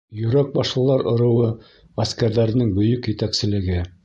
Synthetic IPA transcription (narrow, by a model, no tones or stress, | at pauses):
jɵ̆ɾæk̚bɑʃlˠɤ̆lˠɑɾŏɾɤ̆wɤ | ʁæskæɾðæɾɘ̆nɘŋbɵ̆jɵkjɘ̆t̪æksɘ̆lɘ̆ɡɘ